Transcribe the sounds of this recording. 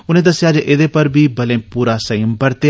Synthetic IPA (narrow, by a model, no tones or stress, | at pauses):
ʊnẽd̪əsɪjaːd͡ʒeʔed̪epəɾbʱiːbɐlẽːpuːɾasəjəmbəɾt̪e